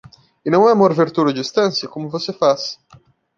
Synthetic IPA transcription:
ɪnɐ̃w̃ɛmoɾveɾt̪uɾɐd͡ʒist̪ɐ̃sjɐkõmʊvosefas

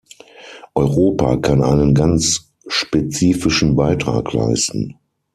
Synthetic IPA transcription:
ʔɔʏʁoːpa̰ːkʰanʔa̰ɪnənɡant͡s | ʃpet͡siːfɪʃn̩baɪtʁ̥a̰ːkla̰ɪstn̩

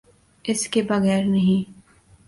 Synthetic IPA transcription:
ɪskebɐɣɛːɾnɐɦĩː

